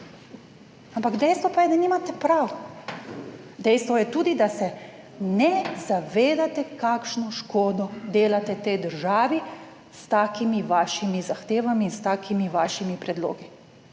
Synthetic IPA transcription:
ampaɡd̪ɛjst̪ʋɔpajɛd̪aniːmat̪ɛpɾaw | d̪ɛjst̪ʋɔjɛt̪uːd̪id̪asɛ | nɛzaʋeːd̪at̪ɛkaːkʃnɔʃkoːd̪ɔd̪eːlat̪ɛt̪ɛjd̪əɾʒaːʋi | st̪aːkimiʋaːʃimizaxt̪eːʋamiːnst̪aːkʰimiʋaːʃimipɾɛd̪lo̰ːɡi

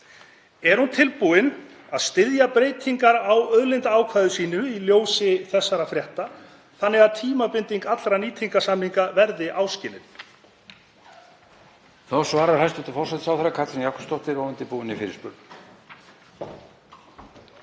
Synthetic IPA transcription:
ɛɾ̥hunt̪ʰɪlpuɪn | aðst̪ɪðjapɾejt̪ʰiŋkaɾawœðlɪnt̪aːwkʰvaːðʏsiːnʏiljoːwsɪθɛsːaɾafɾjɛht̪a | θanːɪɣaðt̪ʰiːmapɪnt̪iŋkat̪lɾaniːt̪ʰiŋkasamiŋkavɛɾðɪʔaːwscɪːlɪn | θɔsvaːɾaɾhajst̪ʏt̪afɔrsɛt̪sawθɛɾakʰat̪lɪnjakʏ̥st̪ɔht̪ɪɾoːwɛnt̪ɪpuːɪnɪfɪɾɪ̰spʏɾn

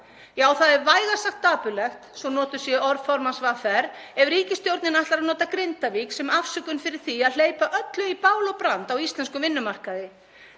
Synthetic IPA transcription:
jaːwθaðɛɾvaːjɣḁsaxt̪ːaːpʏlɛxt̪sɔnɔːt̪ʏ̥sjɛɔɾfɔɾmansvaːfɛɾɛvɾiːcɪst̪jowɾt̪nɪnaht̪laɾaðnɔːt̪akɾɪnt̪aviksɛmafsʏkʏnfɪɾɪɾ̥θiaðl̥eːjpaʔœt̪lʏipaːwlɔpɾant̪awist̪lɛnskʏvɪnːʏmar̥kaðɪ

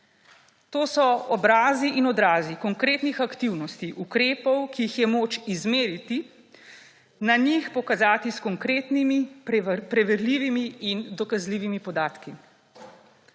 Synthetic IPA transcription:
t̪oːsɔɔbɾaːziʔinɔd̪ɾaːzikɔŋkɾeːt̪nixakt̪iwnɔst̪iʔukɾeːpɔwkijixjɛmoːt͡ʃizmeːɾit̪i | naɲixpɔkazaːt̪iskɔŋkɾeːt̪nimipɾɛʋɛɾliːʋimiind̪ɔkazliːʋimipɔd̪aːt̪ki

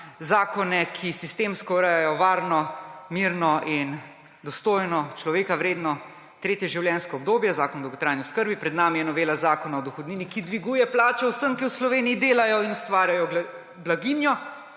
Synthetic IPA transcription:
zaːkɔnɛkʰisist̪eːmskɔɾɛjajɔʋaːɾnɔmiɾnɔʔin | d̪ɔst̪oːjnɔt͡ʃlɔʋeːkawɾeːd̪nɔ | t̪ɾeːt̪jɛʒiwljɛnskɔːb̚d̪oːbjɛzaːkɔnd̪ɔɐwɡɔt̪ɾaːjnjɛskəɾbipɾɛd̪naːmijɛnɔʋeːlazaːkɔnaɔd̪ɔxɔd̪niːnikid̪ʋiɡuːjɛplaːt͡ʃɛwsəmkiwslɔʋeːnijid̪eːlajɔinɔst̪ʋaːɾjajɔ | blaɡinjɔ

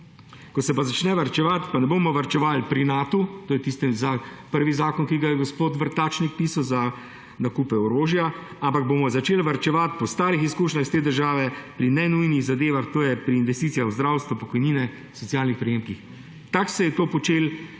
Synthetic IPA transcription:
kɔsɛpazat͡ʃnɛʋaɾt͡ʃɛʋat̪panɛboːmɔʋaɾt͡ʃɛʋaːlpɾinaːt̪ut̪oːjɛt̪ist̪ɛzapəɾʋizaːkɔnkiɡajɛɡɔspoːt̪ʋəɾt̪at͡ʃnik̚piːsawza | nakuːpɛɔɾoːʒja | ampaɡ̚bomɔzat͡ʃeːlʋaɾt͡ʃɛʋat̪pɔst̪aːɾixiskuːʃnʲaxst̪eːd̪əɾʒaːʋɛpɾinɛnujniɣzad̪eːʋaxt̪oːjɛpɾiːnʋɛst̪iːt̪sijaxwzd̪ɾawst̪ʋupɔkɔjniːnɛ | sɔt̪sjaːlnixpɾɛjeːmkix | t̪aksɛjɛt̪oːpɔt͡ʃeːl

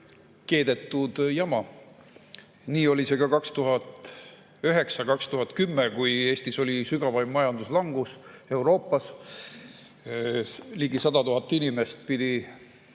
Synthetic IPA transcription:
ke̞ːd̪̥e̞t̪ːˑud̪̥jɑmɑ | niːo̞lʲise̞kɑkɑkst̪uɦɑt̪ˑ | yɦe̞ksɑkɑkst̪uɦɑt̪ˑkymːekuje̞ːst̪iso̞lʲisyɡ̥ɑvɑjmːɑjɑnd̪̥uslɑŋɡ̥use̞wɾo̞ːpːˑɑs | liɡ̥isɑd̪̥ɑt̪uɦɑt̪ːˑinime̞st̪pid̪̥i

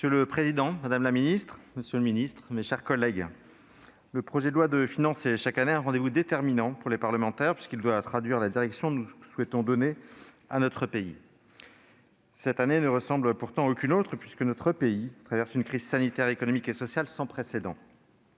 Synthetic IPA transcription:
məsjøləpχezid̪ɑ̃mad̪amlaminist̪χməsjølminist̪χmeʃɛʁkɔlɛɡ | ləpχɔʒɛd̪əlwad̪əfinɑ̃sɛʃakaneɛ̃ʁɑ̃d̪evud̪et̪ɛʁminɑ̃puʁlepaʁləmɑ̃t̪ɛʁpɥi̥skʲild̪wat̪χad̪ɥiʁlad̪iʁɛksjɔ̃nuswɛt̪ɔ̃d̪ɔne | anɔt̪χəpei | sɛt̪anenəʁəsɑ̃blpuʁt̪ɑ̃okʲynot̪χəpɥiskənɔt̪χəpeit̪χavɛʁsynkχizsanit̪ɛʁekɔnɔmikesɔsjalsɑ̃pχesed̪ɑ̃

